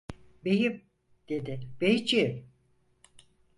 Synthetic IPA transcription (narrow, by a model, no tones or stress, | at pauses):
bejim | d̪̥ed̪ɪb̥ejd͡ʒim